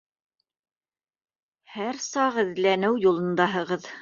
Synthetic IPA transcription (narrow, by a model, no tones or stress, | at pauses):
hæɾsɑʁɘ̆ðlænɘwjulˠɤ̆nd̪ɑɦɤ̆ʁɤð